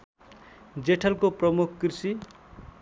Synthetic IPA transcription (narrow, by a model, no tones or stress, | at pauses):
d͡zeʈʰʌlkoprʌmukʰkrisi